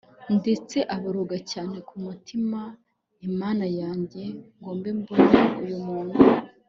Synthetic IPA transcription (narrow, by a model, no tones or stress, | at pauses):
nde̞t͡se̞ʔaβaɾoɡacaːne̞kumutʰima | imaːnajaːɲɟe̞ŋɡo̞ːmbe̞mbonaujumuːn̥hu